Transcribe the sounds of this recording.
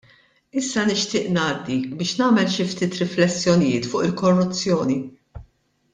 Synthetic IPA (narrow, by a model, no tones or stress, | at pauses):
ɪsːɐnɪʃt̪ɪːʔnɐːd̪ːibɪːʃnɐːmɛlʃɪft̪ɪːt̪ɾɪflɛsːjɔnɪjɪːt̪fʊːʔɪlkɔrːʊt͡sːjɔːni